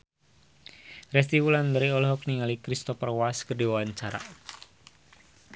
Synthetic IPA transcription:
rɛst̪iwulandəɾiɔlɦɔk̚niŋalikɾist̪ɔpərwaskərdiwawaɲt͡ʃaɾa̰

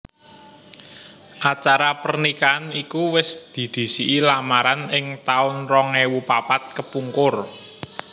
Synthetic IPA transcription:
ʔat͡ʃaɾapərnikanikuwɪsd̪̥i̤d̪̥i̤siʔilamaɾanɪŋt̪aʊnrɔŋewupapat̪̚kəpuŋkʊr

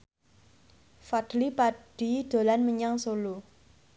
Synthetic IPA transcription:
fad̥lipaɖ̥id̪̥o̤lanməɲaŋsolo

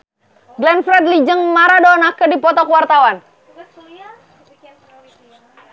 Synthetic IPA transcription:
ɡlɛnfɾɛt̪̚lid͡ʒəŋmaɾadɔnakədipɔt̪ɔkuwart̪awan

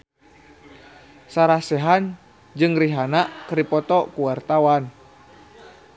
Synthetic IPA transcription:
saɾasɛɦan | d͡ʒɨŋriɦanaʔkɾipɔt̪ɔkuwart̪awan

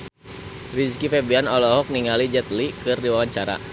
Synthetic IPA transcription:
riskifɛbianɔlɔɦɔk̚niŋalid͡ʒɛt̪likɨrdiwawaɲt͡ʃaɾa̰

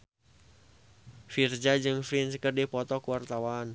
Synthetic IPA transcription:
fird͡ʒad͡ʒɨŋfɾinsəkərdipɔt̪ɔkuwart̪awan

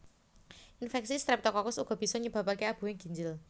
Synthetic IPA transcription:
ʔinfɛksist̪ɾɪp̚t̪ɔkɔkʊsuɡ̥ɔ̤b̥i̤sɔɲəb̥a̤pakeab̥ṳwɪŋɡi̤ɲd͡ʒɪl

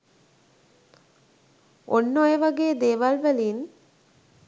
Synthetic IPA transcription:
ʔonːojeʋaɡeːd̪eːʋalʋæliːn

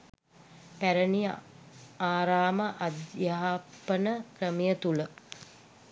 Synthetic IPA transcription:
pæɾənij | aːɾaːməʔad̪jaːpənəkrəmijət̪ulə

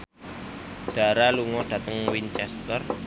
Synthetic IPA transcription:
ɖ̥a̤ɾaluŋɔɖ̥ä̤t̪əŋwint͡ʃɛst̪ər

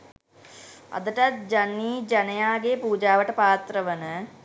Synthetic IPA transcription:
a̰d̪əʈat̪̚d͡ʒanːiːd͡ʒanəjaːɡepuːd͡ʒaːʋəʈəpaːt̪rəʋənə

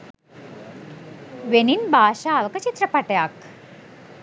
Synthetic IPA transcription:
ʋeniːnbaːɕaːʋəkət͡ɕit̪ɾəpaʈjak

